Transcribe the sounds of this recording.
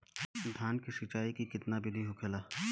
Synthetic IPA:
d̪ʱaːnkiʃɪt͡ʃaːikikɪt̪nabɪd̪ʱiɦokʰelaː

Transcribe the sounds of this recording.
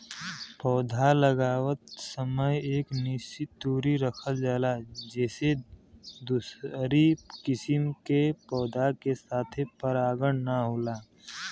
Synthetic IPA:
pɔːd̪ʱaləɡaːwət̪səməjeːknɪʃt͡ʃɪt̪ːuːɾiɾəkʰəld͡ʒaːlad͡ʒɛːsed̪ʊsɾikɪsɪmkepɔːd̪ʱakesaːt̪ʰpəɾaːɡəɽ̃naɦoːlaː

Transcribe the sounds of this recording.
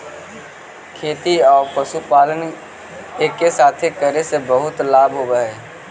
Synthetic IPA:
kʰeːt̪iɔːɾpəsupaːlən | eːkːesaːt̪ʰekəɾesebəɦʊt̪laːbʱɦobəɦɛ

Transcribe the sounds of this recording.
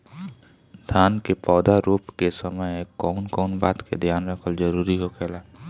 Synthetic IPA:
d̪ʱjaːnkepɔːd̪aɾuːpkesɐməjkɔːnkɔːnbaːt̪kḛd̪ʱjaːnɾəkʰəld͡ʒɐɾuːɾiɦokʰeːlaː

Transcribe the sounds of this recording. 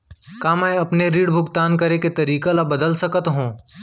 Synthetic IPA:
kaːmɛːɐpneɾiːɽbʱʊɡt̪aːnkɐɾeket̪ɐɾiːkalabɐd̪əlsɐkət̪ɦũː

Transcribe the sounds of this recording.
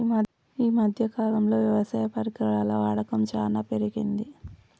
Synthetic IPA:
iːmɐd̪ʱjɐkaːlɐmlo̞ːʋjɐʋɐsaːjɐpɐɾikɾɐɭaːlɐʋaːɽɐkɐmt͡ʃaːnaːpeɾiɡind̪i

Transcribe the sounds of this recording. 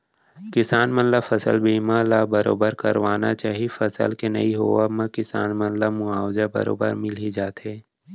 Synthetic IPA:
kɪsaːnmənlafɐsə̰lbiːmalaːbəɾo̰ːbəɾkɐɾʋaːna̰t͡ʃaːɦifɐsə̰lkenɐ̰iɦo̰ʋamə̃kɪsaːnmɐnlamʊaːwd͡ʒabɐ̰ɾo̰ːbə̰ɾmɪlid͡ʒaːt̪ɦɛː

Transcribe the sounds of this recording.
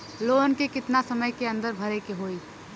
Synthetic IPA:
loːnkekɪt̪nasɐməjkeɐ̃nd̪əɾbʱəɾekeɦoːiː

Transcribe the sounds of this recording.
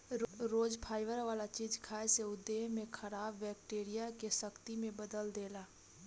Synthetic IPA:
ɾoːd͡ʒpʰaːɪʋəɾʋaːlat͡ʃiːd͡ʒkʰaːeseʊd̪ːeːɦmẽkʰəɾaːbːɛːk̚ʈeːɾijakesəkt̪imẽbəd̪əld̪eːlaː

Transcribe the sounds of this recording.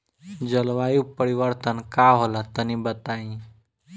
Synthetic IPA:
d͡ʒəlʋajupəɾiʋəɾt̪ənkaɦolat̪ənĩbət̪aĩ

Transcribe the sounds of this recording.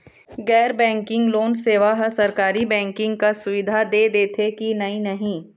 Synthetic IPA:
ɡɛːɾbɛ̃ːŋkɪ̃ŋɡloːnseːʋaɦɐsɐɾkaːɾibɛ̃ːŋkɪ̃ŋɡ̚kasʊʋɪd̪ʱad̪eːd̪eːt̪ʰekinɐinɐɦĩː

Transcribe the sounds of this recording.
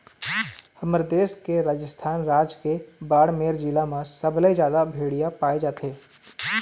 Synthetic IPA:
hɐməɾd̪eːskeɾaːd͡ʒəst̪ʰaːnɾaːd͡ʒkebaːɽmeːɾd͡ʒilamãsɐblezjaːd̪abʱeːɽijapaːed͡ʒaːt̪ʰeː

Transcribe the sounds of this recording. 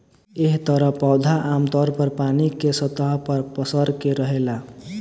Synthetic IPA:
eɦt̪ʌɾʌpɔwd̪ʱaʔamt̪ʌɾpʌɾpanikesʌt̪ʌɦpʌɾpʌsʌɾkeɾʌɦela

